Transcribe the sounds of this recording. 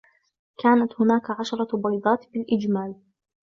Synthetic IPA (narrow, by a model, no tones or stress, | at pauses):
kaːnat̪hʊnaːkʕaʃɑɾˤɑbɑjd̪ˤɑːt̪bɪlʔɪd͡ʒmaːl